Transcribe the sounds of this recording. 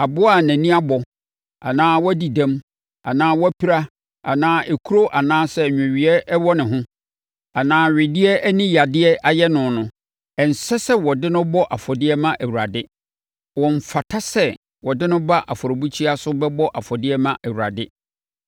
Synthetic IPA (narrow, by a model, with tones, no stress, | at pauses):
a˨bʊ˦a˦˨næ̃˨nĩ˦a˦bɔ˨ | a̰˨nãː˦wɔ˦æ˦di˨dã˦m | a̰˨nãː˦wɔ˦æ˦pʰi˦ɾa˦ | a̰˨nãː˦ʔe˨kʰu˦ɾo˦ʔa˨nãː˦sɛ˦˨ɲᶣʊ̃˨ɥi˨ɛ˦wɔ˦nɪ̃˨ɦʊ̃˦ | a˨nãː˦ɥɪ˨dɪ˦ɛ˦æ˦nĩ˦ja˨dɪ˦ɛ˦ʔa˨jɛ˦nʊ̃˨nʊ̃˨ | ɛ˨n̩˨sɛ˦sɛ˦wɔ˨dɪ˦nʊ̃˦bɔ˦ʔa˨fɔ˨dɪ˦ɛ˦mã˦ʔæ˨wu˨ɾa˨dɪ˦ | wɔ̃˨ɱ̩˨fa˨tʰa˦sɛ˦ | wɔ˨dɪ̃˦nʊ̃˦ba˦ʔa˨fɔ˨ɾo˨bu˦t͡ɕʰi˦a˦sʊ˦bɛ˦bɔ˦ʔa˨fɔ˨dɪ˦ɛ˦mã˦ʔæ˨wu˨ɾa̰˨dɪ˦